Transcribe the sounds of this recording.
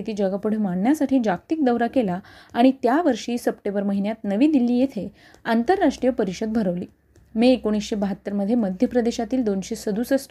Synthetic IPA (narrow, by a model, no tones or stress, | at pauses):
it̪iːd͡ʑəɡapuɽ̤əmaɳːjasaʈʰiːd͡ʑak̚t̪ik̚d̪əʋɾakelaːɽ̃it̪jaʋəɾʂiːsəpʈebəɾməɦinjat̪nəʋiːd̪ilːiːjet̪ʰe | ant̪əɾːaʂʈɾijəpəɾiɕəd̪̚bʱəɾəʋliː | miekoɽ̃isɕebəɦət̪ːəɾməd̪ʱːjeməd̪ʱjəpɾəd̪eɕat̪iːld̪onɕesəd̪usəs